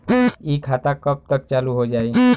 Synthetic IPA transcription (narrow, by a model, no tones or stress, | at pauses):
ikʰat̪akəp̚t̪ək̚t͡ʃaluɦod͡ʒaːi